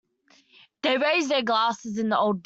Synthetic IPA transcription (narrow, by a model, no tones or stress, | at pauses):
ðeɪɹeɪzðəɡlɑˑsɪzɪ̃nðioʊlˠd̚b